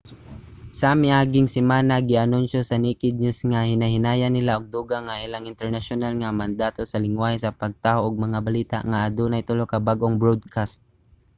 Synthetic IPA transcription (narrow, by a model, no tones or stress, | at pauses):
samɪʔaːɡɪŋsɪmaːnaɡɪʔɐnʊnʃosɐnikɪd̪̚ɲʊsŋahɪnaɦɪnaːjanːɪlaʔoɡ̚d̪uːɡaŋaʔɪlaŋɪnt̪ɛɹnaʃʊnalŋamand̪aːt̪osɐlɪŋwaːhɛsɐpɐɡ̚t̪aːhoʔʊɡ̚mɐŋabaliːt̪a̰ʔŋaʔad̪uːnajt̪ʊlokɐbaɡʔoŋbɹod̪̚kʰast̪̚